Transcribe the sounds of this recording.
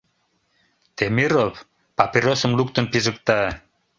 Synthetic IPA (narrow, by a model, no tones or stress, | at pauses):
t̪emirop | paperosə̆mluk̚t̪ənpizək̚t̪a